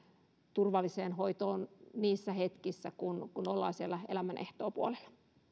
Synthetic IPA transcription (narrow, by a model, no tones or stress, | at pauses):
t̪urʋɑlːiseːnhoit̪oːnniːsːæhet̪kisːækunkunolːɑ̰ːsielːæḛlæmænʔḛht̪oːpuolelːɑ̥